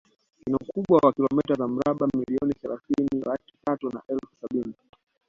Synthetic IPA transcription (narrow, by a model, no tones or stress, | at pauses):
kinaukuɓwawakilɔmɛtazam̩ɾaɓamiliɔniθɛlaθinilati̥tatuna̰ʔɛlfu̥saɓini